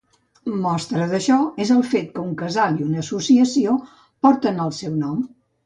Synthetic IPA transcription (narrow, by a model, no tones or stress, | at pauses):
mɔst̪ɾəðəʃɔezəlˠfet̪̚kəuŋkəzalˠiunəsusiəsio | pɔɾt̪ənəlˠsɛwnɔm